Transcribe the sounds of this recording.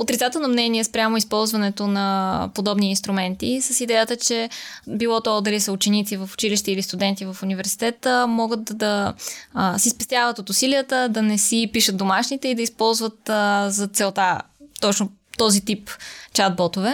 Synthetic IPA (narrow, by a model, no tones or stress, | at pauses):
ot̪ɾit̪at̪ɛlˠnomnɛniɛspɾʲamʊispɔlˠzvɐnɛt̪onɐpod̪ɔbniːnst̪ɾʊmɛnt̪isəsid̪ɛjət̪ət͡ʃɛbilˠɔt̪oɔd̪ɐlisəut͡ʃɛnit̪sivɐfʊ̥t͡ʃiliʃt̪ɛilist̪ud̪ɛnt̪ivɐfunivɛɾsi̥t̪ɛt̪əmɔɡət̪d̪ɐ | sispɛst̪javət̪ot̪ʊsiliət̪əd̪ɐnɛsipiʃət̪̚d̪omaʃnit̪ɛid̪ɐispɔlˠzvət̪zɐt̪sɛlˠt̪a | t̪ɔt͡ʃno | t̪ɔzit̪ipt͡ʃad̪̚bɔt̪ovɛ